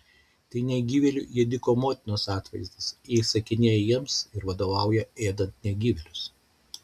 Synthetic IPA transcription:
t̪ɐɪnʲɛɪɡʲiːʋʲɛlʲʊ̰jiɛd̪ʲɪkoːmoːt̪ʲɪnoːsɑːt̪ʋɐɪzd̪ɐsjiɛɪsɐkʲɪnʲeːjjiɛmsɪɾʋɐd̪oːʋɑˑʊjɛeːd̪ɐnt̪nʲɛɪɡʲiːʋʲɛlʲʊs

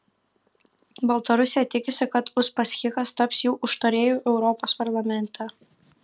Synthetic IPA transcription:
bɐlˠt̪ɐɾʊsʲejɛt̪ʲɪkʲɪsʲɪkɐt̪ʊspɐsʲxʲɪkɐst̪ɐpsjuːʔʊʃt̪oɾʲeːjoːʔɛʊɾɔpoːspɐɾlˠɐmʲɛnʲt̪ʰʲɛ

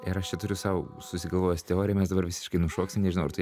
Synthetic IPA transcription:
ɪɾɐʃt͡ʃʲɛt̪ʊɾʲʊsɐʊ | sʊsʲɪɡɐlˠʋoːjost̪ʲɛoːɾʲɪjɛmʲɛsd̪ɐbɐɾʋʲɪsʲɪʃkɐɪnʊʃoːksʲɪmnʲɛʒʲɪnɐʊɐɾt̪ɐɪ

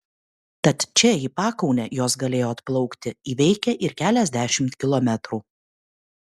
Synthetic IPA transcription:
t̪ɐt̪t͡ʃʲɛiːpɑːkɔʊnʲɛjoːsɡɐlʲeːjoːɐt̪plˠɒʊkt̪ʲɪiːʋʲɛɪkʲɛʔɪɾkʲæːlʲɛzʲd̪ʲæːʃʲɪmt̪kʲɪlˠɔmʲɛt̪ɾuː

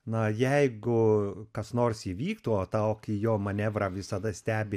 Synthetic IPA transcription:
nɐjɛɪɡʊkɐsnoːrsiːʋʲiːkt̪uoːt̪ɑʊkijoːmɐnʲɛʋrɑʋʲɪsɐd̪ɐsʲt̪ʲæːbʲɪ

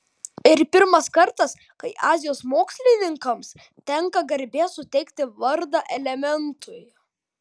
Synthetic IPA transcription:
ɪɾpʲɪɾmɐskɐɾt̪ɐs | kɐɪʔɑːzʲɪjoːsmoːksʲlʲɪnʲɪŋkɐms | t̪ʲɛŋkɐɡɐɾʲbʲeːsʊt̪ʲɛɪkt̪ʲɪʋɐɾd̪ɑʔɛlʲɛmʲɛnt̪ʰʊɪ

